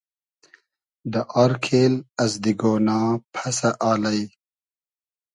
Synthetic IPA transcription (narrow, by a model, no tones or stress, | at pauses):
d̪əʔaɾkʰeːlɐzd̪iɡoːnaːpʰɐsaʔaːlaj